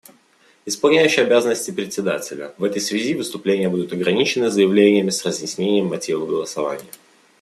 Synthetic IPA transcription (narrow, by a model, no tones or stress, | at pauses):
ɪspɐlˠnʲæjʉɕːɪjɐbʲazənəsʲtʲɪpɾʲɪtʲsʲɪd̪atʲɪlʲə̰vɛt̪əjsvʲɪzʲivɨst̪ʊplʲenʲɪjəbud̪ʊt̪ɐɡɾɐnʲit͡ɕɪnɨzəjɪvlʲenʲɪjəmʲɪsrəzjɪsʲnʲenʲɪjəmːɐtʲivəvɡəlˠəsɐva̰nʲɪ̰jə